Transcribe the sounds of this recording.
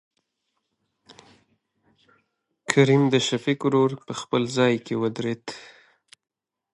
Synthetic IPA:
kʰaɾimd̪əʃafikɾoɾpəxpəlzɑjkewəd̪ɾet̪

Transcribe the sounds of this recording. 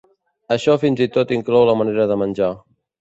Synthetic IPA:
əʃɔfinzit̪ot̪iŋklɔwləməneɾəðəmənʲd͡ʒa

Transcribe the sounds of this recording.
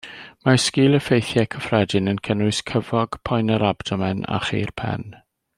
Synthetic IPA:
maskiːlˠəfejθjɛkʰəfrɛdɪnənkʰənʊɨskʰəvɔɡ̥pʰɔjnəɾab̥dɔmɛna̰χḭːrpʰɛ̰n

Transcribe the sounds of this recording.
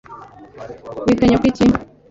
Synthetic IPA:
wit̪aɲokit͡ʃi

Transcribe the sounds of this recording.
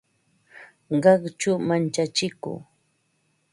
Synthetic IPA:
ɢɑχt͡ʃʊmant͡ʃat͡ʃɪkṵː

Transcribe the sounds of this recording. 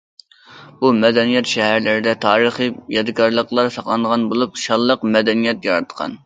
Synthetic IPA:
b̥umɛd̪ɛnijɛt̪ʃɛɦæɾlɪɾɪd̪ɛt̪ʰɑːɾəχijɑd̪ɨkʰɑɾlˠəqlˠɑɾsɑqlˠɑnəʁɑnbolˠup̚ʃɑlˠːəqmɛd̪ɛnijɛt̪jɑɾɑt̪qʰɑ̰n

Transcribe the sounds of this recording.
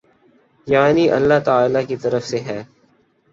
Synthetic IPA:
jaːniʔɐ̰lːaɦt̪əaːlakit̪ɐɾəfseɦɛː

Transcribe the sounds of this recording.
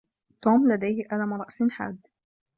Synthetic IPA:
t̪oːmlad̪ajhɪʔalamɾˤɑʔsɪnħa̰ːd̪ː

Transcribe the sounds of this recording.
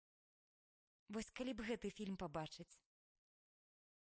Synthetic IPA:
vɔsʲkalʲibɣɛt̪ɨfʲilʲmpabat͡ʂɨt͡sʲ

